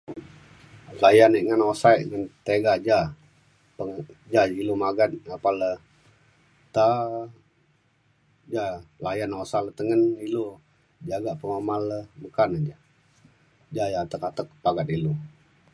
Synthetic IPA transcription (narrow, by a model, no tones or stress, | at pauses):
lajanəʔŋanosajʔŋənt̪eɡad͡ʒa | pəd͡ʒailumaɡat̪̚apalə | t̪a | d͡ʒalajanosalət̪əŋənilu | d͡ʒaɡaʔpəŋomaləməkanəd͡ʒa | d͡ʒajat̪əkat̪ək̚paɡat̪ilu